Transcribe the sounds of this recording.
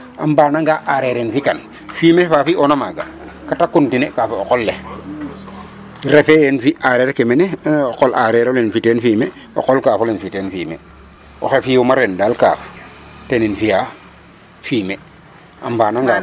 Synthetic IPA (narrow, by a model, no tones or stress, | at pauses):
a̰mbaːnaŋɡaʔaɾeɾenfikan | fiːmefafiʔonamaɡa | katakuntinekafeoqolːe | ɾefejenfiʔaɾeɾkemeneoqolʔaɾeɾolenfitenfiːmeo̰qolkaːfolenfiteːnfimḛ | o̰xefiomaɾendaːlka̰ːf | teninfija | fiːme | a̰mbaːnaŋɡa